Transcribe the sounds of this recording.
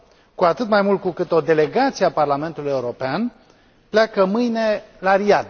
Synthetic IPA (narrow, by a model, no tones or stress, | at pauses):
kuat̪ɨt̪majmult̪̚kukɨt̪o̞d̪e̞le̞ɡat̪sieaparlame̞nt̪uluje̞uɾo̞pean | pleakəmɨjne̞laɾiad̪